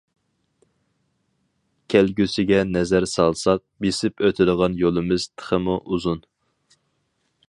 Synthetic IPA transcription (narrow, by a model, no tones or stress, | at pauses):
kʲʰælɡʲysɪɡʲɛnɛzæɾsɑlˠsɑq̚besɪpøt̪ʰɪd̪əʁɑnjolˠɨmɪz̥t̪ʰə̥χəmuʔuzun